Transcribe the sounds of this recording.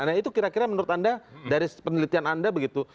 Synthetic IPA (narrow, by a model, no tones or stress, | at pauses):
nait̪ukiɾakiɾamənuɾʊt̪andadaɾipənəlit̪ianandabəɡit̪u